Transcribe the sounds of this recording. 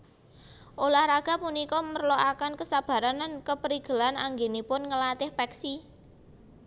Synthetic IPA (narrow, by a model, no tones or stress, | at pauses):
ʔolahɾaɡ̥a̤punikɔmərlɔʔakankəsab̥a̤ɾanankəpəɾiɡ̥ə̤lanaŋɡenipʊnŋəlat̪ɪhpɛksi